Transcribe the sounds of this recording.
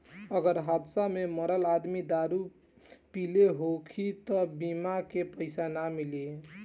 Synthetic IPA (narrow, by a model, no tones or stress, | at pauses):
əɡəɾɦat̪sameməɾəlad̪mid̪aɾu | pileɦokʰit̪ʌbimakepəɪsanamilie